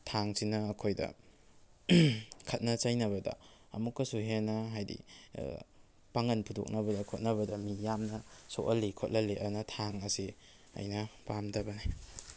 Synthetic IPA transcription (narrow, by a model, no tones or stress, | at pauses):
tʰaŋsinɐːkʰojdɐ̰ | kʰɐt̚nɐt͡ʃajnɐβɐdɐ̰ | ɐ̰mukːɐsuɦenɐɦajdḭ | paŋɐnpʰudo̰k̚nɐbɐdɐkʰot̚nɐbɐdɐmijamnɐsoʔɐlːikʰot̚lɐliʔɐnɐtʰaŋɐsi | ɐ̰jnɐpamdɐbɐni